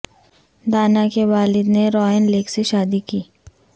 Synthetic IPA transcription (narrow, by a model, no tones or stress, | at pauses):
d̪aːnakeʋaːlɪd̪neɾɔːənleːkseʃaːd̪ikiː